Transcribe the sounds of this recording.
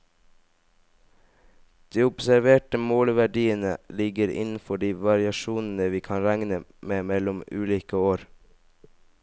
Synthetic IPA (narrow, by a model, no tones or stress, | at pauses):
d̪̥iːʊbsæɾʋeːʈəmoːlʋæɖiːənəlɪɡəɾɪ̰nn̩fɔɖiːʋɑɾɪɑʃuːnn̩əʋiːkʰɑːnɾæŋnəmeːmɛlʊmʉːliːkəoːɾ